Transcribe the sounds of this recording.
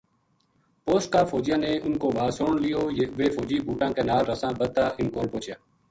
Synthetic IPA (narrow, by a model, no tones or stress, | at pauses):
poːsʈ̚kaːfoːd͡ʒjaːneːʔʊnkoːʋaːsoːɳlɪjoːʋeːfoːd͡ʒiːbʱuːʈãːkeːnaːlɾəsãːbəd̪̚t̪aːʔɪnkoːlpoːt͡ʃjaː